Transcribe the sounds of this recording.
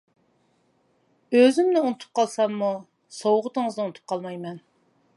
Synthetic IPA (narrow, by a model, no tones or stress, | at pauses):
øzɪmnɪunɨt̪ʰu̥p̚qʰɑlˠsɑmːu | sowʁət̪əŋəznɨunɨt̪ʰu̥p̚qʰɑlˠmɑjmɛn